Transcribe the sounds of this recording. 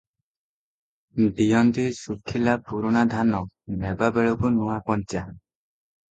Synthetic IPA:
ɖijɔnd̪isukʰːilapuɾunad̪ʱanɔk̚nɛbabeɭubunuakɔɲt͡ʃa

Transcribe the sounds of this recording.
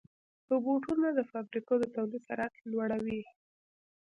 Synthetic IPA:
pəboʈunad̪əfabɾikod̪ət̪awlid̪saɾaklwaɽawi

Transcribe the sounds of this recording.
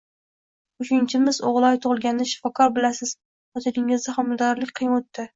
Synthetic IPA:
ʊʃɪnt͡ʃʰɪmɪzoʁlˠɒjt̪ʰoʁɨlˠɡʲand̪aʃɪ̥fɒkʰɒɾbɪlasɪz̥ | ɒt̪ʰɪlɪŋɪzd̪aχamld̪ɒɾlɪkʲqʰɨjɪnot̪ːɪ

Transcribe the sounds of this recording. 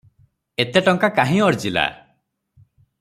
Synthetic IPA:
et̪eʈɔŋkakaɦĩɔɾd͡ʒila̰

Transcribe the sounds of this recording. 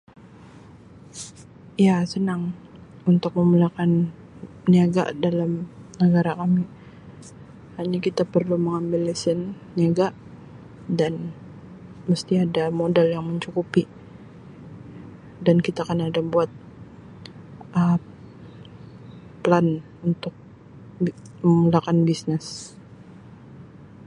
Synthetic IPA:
ijasənaŋ | unt̪ʊk̚məmulakan | niaɡa̰dalamnəɡaɾakami | haɲakit̪apərluməŋambɪlisɪnː | iaɡaʔ | dan | məst̪iadamodaljaŋməɲt͡ʃukupi | dankit̪akənadabuat̪̚ | ʔə | plan | unt̪ʊk̚ | məmulakanbisnɪs

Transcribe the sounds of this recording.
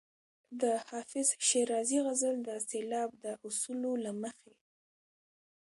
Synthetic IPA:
d̪əhɑfɪzʃeɾɑziɣazəld̪əselɑbd̪əʔʊsulolaməxe

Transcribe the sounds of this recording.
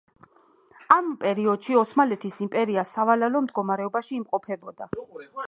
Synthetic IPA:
ampʼɛɾiɔd̪̥ʃiɔsmalɛt̪ʰisimpʼɛɾiasavalalɔmd̪ɡɔmaɾɛɔbaʃiːmqʼɔpʰɛbɔd̪a

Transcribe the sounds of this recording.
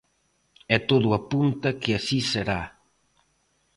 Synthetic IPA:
ɛt̪oðʊɐpunt̪ɐkɪasiseɾa

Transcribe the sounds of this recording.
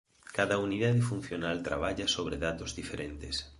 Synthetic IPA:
kaðauniðað̞ɪfun̟θjonalt̪ɾa̰βaʎasoβ̞ɾeðat̪ozðifeɾent̪ɪs

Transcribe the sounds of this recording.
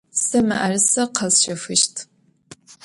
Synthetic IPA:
sɐmɐʔɐrɨsɐqʰɐzɕɐfɨʃtʰ

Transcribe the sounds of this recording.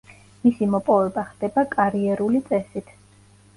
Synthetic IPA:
misimɔpʼɔvɛbaχd̪ɛbakʼaɾiɛɾulit̪sʼɛsit̪ʰ

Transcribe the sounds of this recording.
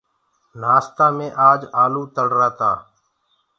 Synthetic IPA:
naːst̪aːmẽːʔaːd͡ʒaːluːt̪əɽɾaːt̪aː

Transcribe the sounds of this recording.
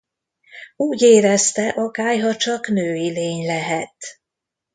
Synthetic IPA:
uːɟeːɾɛst̪ɛʔɒkaːjɦɒt͡ʃɒknøːileːɲlɛɦɛt̪

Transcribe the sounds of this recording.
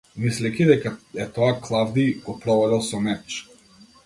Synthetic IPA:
mislɛkʲid̪ɛkaɛt̪ɔaklˠavd̪iɡɔpɾɔvɔd̪ɛlˠsɔmɛt͡ʃ

